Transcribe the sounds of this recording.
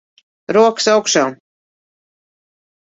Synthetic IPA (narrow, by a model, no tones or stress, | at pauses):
ɾuɔksawkʃaː